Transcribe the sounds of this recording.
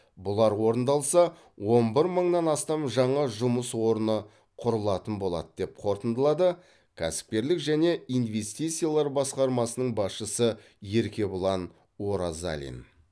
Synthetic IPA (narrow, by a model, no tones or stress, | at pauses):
bʊlˠɑɾwo̞ɾənd̪ɑlˠsɑ | wo̞nbɪɾməɴnɑnɑst̪ɑmʒɑɴɑʒʊməswo̞ɾənə | qʰʊɾəlˠɑt̪ənbo̞lˠɑ̰d̪əd̪e̞p̚qʰo̞ɾt̪ənd̪əlˠɑd̪ə | kʲʰæsɪ̥p̚kʲe̞ɾlɪkʒæne̞ijnve̞st̪ijt̪sɨijalˠɑɾbɑsqɑɾmɑsənəɴbɑsʃəsə | je̞ɾkʲe̞bʊlˠɑn | wo̞ɾaza̰lʲḭn